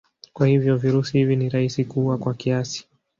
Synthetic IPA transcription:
kwahivjɔviɾusihiviniɾaisikuwakwakiasi̥

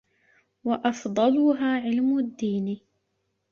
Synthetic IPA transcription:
waʔɑfd̪ˤɑlʊɦaːʕɪlmʊd̪ːiːn

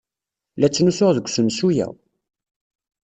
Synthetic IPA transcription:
læt͡sːnusʊʁðəɡʷːsənsujæ̰

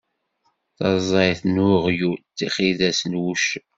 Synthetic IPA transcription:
θɑzˤɑjθnʊʁjut̪ːiχiðæsənwuʃə

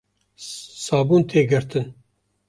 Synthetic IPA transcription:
sɑːbuːnt̪ʰeːɡɨɾt̪ɨn

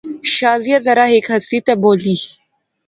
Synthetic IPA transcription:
ʃaːzijɐzɐɾaɦekɦɐsit̪ɐboːli

